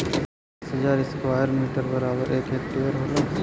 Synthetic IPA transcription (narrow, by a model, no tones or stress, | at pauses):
sɦɐd͡ʒaːɾiːskwaːjəɾmiːʈəɾbɐɾaːbəɾeːkeːk̚ʈeːəɾɦoːlə̃ŋ